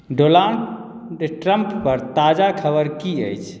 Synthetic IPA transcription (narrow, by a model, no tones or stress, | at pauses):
ɖolaɳ | ʈɾəmppəɾt̪ad͡ʒakʰəbəɾkiəjt͡ʃʰ